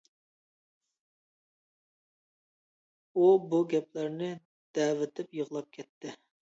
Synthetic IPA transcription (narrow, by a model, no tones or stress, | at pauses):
ubuɡʲɛplæɾnɪ | d̪̥ɛːvɪt̪ʰɪpjəʁlˠɑp̚kʲʰɛt̪ʰːɪ